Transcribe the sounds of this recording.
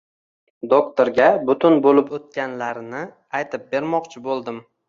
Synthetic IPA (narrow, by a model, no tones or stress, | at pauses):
d̪okt̪oɾɡʲabʊt̪ʰʊnbolɪpot̪̚kʲanlaɾnɪ | ajt̪ʰɪp̚be̞ɾmɒqt͡ʃʰɪbolˠd̪ɪm